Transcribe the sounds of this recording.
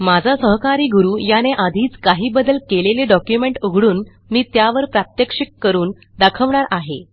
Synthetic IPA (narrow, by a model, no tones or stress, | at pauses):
mad͡zʱasəɦkaɾiːɡuɾuːjaneʔad̪ʱiːt͡skaɦiːbəd̪əlkeleleɖɔkjumeɳʈuɡʱɽuːn | miːt̪jaʋəɾpɾat̪jəkʂikːəɾuːn | d̪akʰəʋɳaɾaɦe